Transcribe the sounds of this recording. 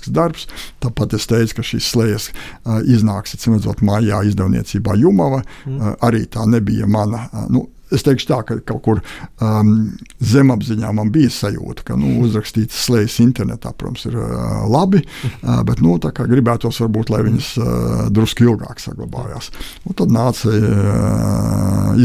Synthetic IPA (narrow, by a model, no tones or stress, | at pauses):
ksd̪aɾpst̪aːpat̪est̪ɛjt̪kɐʃiːsːlˠɛjɐsiznaːksit̪smɛd̪zuɔt̪majaːizd̪ɛwnḭɛt̪siːba̰ːjumaʋɐaɾiːt̪aːnebijɐ̰manɐnṵ | est̪ɛɪkʃt̪aːkakalkuɾ | zemabziɲaːmanbijəsajṵːt̪ə̥ka̰nuuzɾakst̪iːt̪sːlˠɛjsint̪ɛɾnɛt̪a̰ːpɾuɔt̪msiɾlˠabi | bɛt̪nut̪akaːɡɾibæːt̪uɔsʋaɾbuːt̪lˠajʋiɲɐsd̪ɾuskilˠɡa̰ːksa̰ɡlˠa̰ba̰ːja̰ːsnut̪ad̪naːt̪saj | i